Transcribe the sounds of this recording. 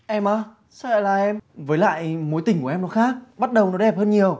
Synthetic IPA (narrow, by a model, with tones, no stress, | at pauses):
ʔɛ˧mʔaː˨˧˦ | sə̰ː˧˨jlaː˨˩ʔɛ˧mvəː˨˦jla̰ː˧˨jmo˨˦jt̪ï˩ŋ̟ku˧˩əʔɛ˧mnɔ˨˦xaː˦˥k̚ɓa˦˥t̚ɗə˨˩wnɔ˨˦jɗɛ˨˩p̚həː˧nɲi˨˩əw